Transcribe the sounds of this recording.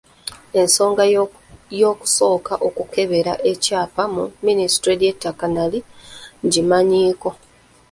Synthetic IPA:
e̞nso̞ːŋɡa | jo̞ːku̥so̞ːkaʔo̞kuke̞βe̞ɾa̰ʔe̞caːpamuminisi̥tɾeɾjetːakanaliɲɟimaɲiːko̞

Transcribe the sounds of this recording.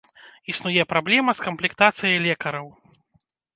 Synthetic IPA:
isnujɛpɾablʲɛmɐskɐmplʲikt̪at̪sɨjɐjlʲɛkɐɾɐw

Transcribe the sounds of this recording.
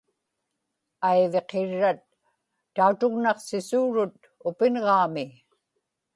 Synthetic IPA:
ajve̞qeɻːat̪ː | aut̪ʊɣnɑqsɪsuːɻʊt̪ | ʊpɪnʁɑːmɪ

